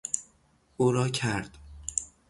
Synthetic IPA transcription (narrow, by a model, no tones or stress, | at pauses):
ʔuːɾɒːcʰæɾd̪̥